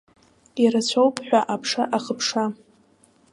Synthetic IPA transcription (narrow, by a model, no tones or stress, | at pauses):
iɾat͡ɕʷʰowpʰʼħʷᶣaʔapʰʂaʔaχəpʰʂa